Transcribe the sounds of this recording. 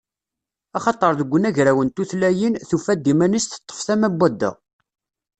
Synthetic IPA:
ɑχɑt̪ˤəɾˤðəɡʷːənæʝɾæwənt̪uθlæjinθufæd̪ːimænisθə̥t̪ˤːə̥fθæmæbʷːæd̪ːæ̰

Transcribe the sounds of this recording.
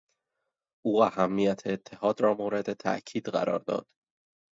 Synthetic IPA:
ʔuːæhæmːijæt̪ʰeːt̪ʰːe̞hɒːd̪ɾɒːmoːɾe̞d̪et̪ʰæ̰ʔcʰiːd̪ɢæ̰ɾɒ̰ːɾd̪ɒ̰ːd̪̥

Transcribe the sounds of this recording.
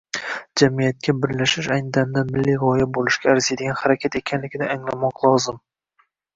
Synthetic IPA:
d͡ʒamijat̪̚kʲʰabɪɾlaʃɪʃajnɪd̪amd̪anmɪlːijʁɒjabolˠɪʃɡʲaːɾzed̪ɪɡʲanhaɾakʲʰat̪ekʲʰanlɪɡʲɪd̪aːŋlamɒqlˠɒzɪm

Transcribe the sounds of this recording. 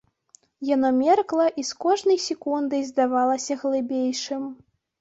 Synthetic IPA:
janɔmʲɛrklˠɐʔiskɔʐnɐjsʲɛkund̪ɨjzd̪avalˠɐsʲɐɣlˠɨbʲejʂɨm

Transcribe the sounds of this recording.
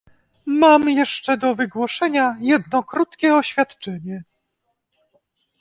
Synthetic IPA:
mamjɛʂt͡ʂɛd̪ɔvɘɡwɔʂɛɲajɛd̪nɔkɾut̪kʲɛɔɕfʲjat̪t͡ʂɛɲɛ

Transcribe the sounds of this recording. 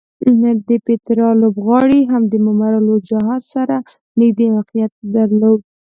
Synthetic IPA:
d̪əpet̪ɾɑlobɣɑɽiɦamd̪əmʊmaɾalod͡ʒaɦɑzsaɾa | nɪɡd̪iwɑqijat̪̚d̪aɾlod̪

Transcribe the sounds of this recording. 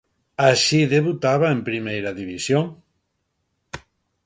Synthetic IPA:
aʃiðeβut̪aβaempɾimejɾaðiβisjoŋ

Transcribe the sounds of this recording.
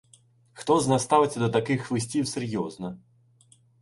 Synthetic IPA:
xt̪ɔznast̪avɪt͡sʲɐd̪ɐt̪akɪxvɨsʲtʲiwsɛrjɔznɐ

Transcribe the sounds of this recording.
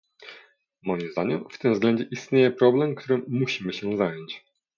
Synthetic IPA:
mɔjimzd̪a̰ɲɛmft̪ɘmzɡlɛɲd͡ʑɛʔist̪ɲejɛpɾɔblɛmkt̪ʰuɾɘːuɕimɘɕɛzajɔnt͡ɕ

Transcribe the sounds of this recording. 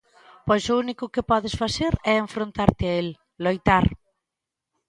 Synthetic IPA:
pɔjsʊunikʊkɪpɔðɪsfaseɾɛeɱfɾont̪aɾt̪ɪael | lojt̪aɾ

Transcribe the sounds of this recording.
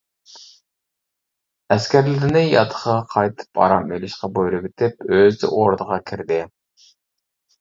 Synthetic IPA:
æskʲæɾlɪɾɪnɪjɑ̰t̪ʰːə̥χɑqʰɑjt̪ʰɨ̥pʰɑ̰ɾɑmølɪʃqɑbojɾˠɨbɪt̪ʰɪp̚øzd̪ɪ̰ʔoɾd̪əʁɑkʲʰɪɾd̪ɪ

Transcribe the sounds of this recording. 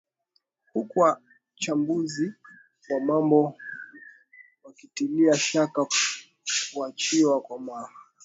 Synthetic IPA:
hukuwa | t͡ʃambuzi | wamambɔ | wakitiliaʃaka | kuat͡ʃiwakwamaha

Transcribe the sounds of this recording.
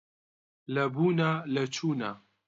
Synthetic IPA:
lɐbuːnalɐt͡ʃʰuːna̰

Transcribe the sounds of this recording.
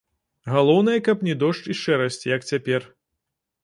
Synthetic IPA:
ɣalˠɔwnɐjɐkɐpnʲɛd̪ɔʂt͡ʂiʂt͡ʂɛɾɐsʲt͡sʲijɐkt͡sʲapʲɛr

